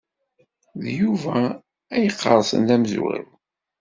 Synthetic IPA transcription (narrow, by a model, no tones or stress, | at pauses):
ðjuvæ | æjəqːəɾˤsə̰nlæmzṵɾə̰ɾ